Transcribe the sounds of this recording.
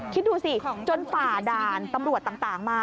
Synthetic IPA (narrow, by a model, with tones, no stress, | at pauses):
kʰi˦˥t̪̚duː˧si˨˩t͡ɕo˧nfaː˨˩daː˧nt̪a˧mɾu˨˩ət̪ːaː˨˩ŋt̪aː˨˩ŋmaː˧